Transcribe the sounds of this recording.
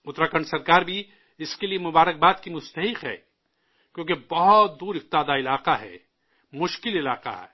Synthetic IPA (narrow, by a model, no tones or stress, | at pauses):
ʊt̪ɾaːkəɳsɐɾkaːɾbʱi | ɪskeliemʊbaːɾək̚baːt̪kimʊst̪ɐɦɪqɦɛ̰ː | kʲjõːkebɐɦʊt̪̚d̪uːɾɪq̚t̪aːd̪aɪlaːqaɦɛ̰ː | mʊʃkɪlɪlaːqa̰ɦɛ̰ː